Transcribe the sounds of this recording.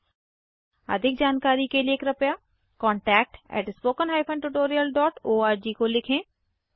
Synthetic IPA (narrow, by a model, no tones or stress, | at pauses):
ə̰d̪ʱɪk̚d͡ʒaːnkaːɾikelieːkɾɐpjaː | kɔ̃ːɳʈɛːk̚ʈɛ̰ːʈspoːkənɦaːjpʰə̃ɳɖʈuʈoːɾijəlɖɔːʈoːaːɾd͡ʒiːkolɪkʰẽː